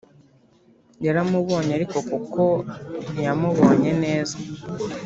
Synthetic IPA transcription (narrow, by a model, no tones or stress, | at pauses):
jaɾamuβo̞ːɲeaɾiko̞kuko̞nijamuβoːɲe̞ne̞ːza